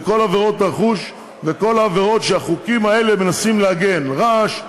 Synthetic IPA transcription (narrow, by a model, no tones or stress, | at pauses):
ko̞laveʁo̞t̪aχuʃ | veko̞laːve̞ʁo̞t̪ʃeaχukimae̞le̞menasimleaɡe̞nʁaʃ